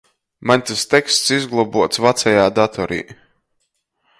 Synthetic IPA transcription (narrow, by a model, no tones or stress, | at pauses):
manʲt̪ast̪ɛkst̪sizɡlˠɔbuɔt̪svat̪sɛjaːd̪at̪ʰɔɾḭː